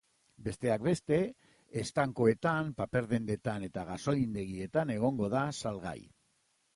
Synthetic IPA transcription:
be̞st̪e̞akbe̞st̪e̞ː | st̪aŋkoe̞t̪ampape̞ɾðe̞nd̪e̞t̪ane̞t̪aɣ̞aso̞ind̪e̞ɣie̞t̪ane̞ɣ̞o̞ŋɡo̞ð̞asalɣa̰j

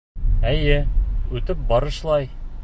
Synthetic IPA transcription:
æjɘʉt̪ɘp̚bɒɾɤ̆ʃlˠɑj

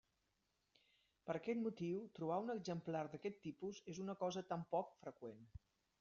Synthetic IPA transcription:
pəɾəkɛt̪mut̪iwt̪ɾuβaunəɡzəmplaɾd̪əkɛt̪ːipuzezunəkɔzət̪ampɔkfɾəkwen

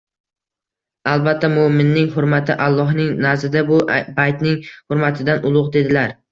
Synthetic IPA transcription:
alˠbat̪ʰːamomɪnːɪŋɦʊɾmat̪ʰɪʔalˠːɒɦnɪŋnazɪd̪abʊbajt̪nɪŋhʊɾmat̪ʰɪd̪anʔʊlˠʊqd̪e̞d̪ɪlaɾ

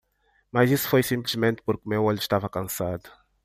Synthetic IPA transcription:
mɐzisu̥fojsĩmplizmẽnt̪ɪ̥puɾkɪmewoʎui̥ʃt̪avɐkɐ̃sad̪u̥

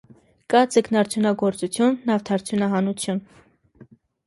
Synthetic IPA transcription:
kɑd͡zəknɑɾt͡sʰjunɑɡɔɾt͡sut͡sʰjunːɑft̪ʰɑɾt͡sʰjunɑɦɑnut͡sʰjun

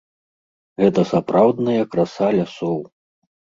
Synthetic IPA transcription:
ɣɛt̪ɐsapɾawd̪nɐjɐkɾasalʲasɔw

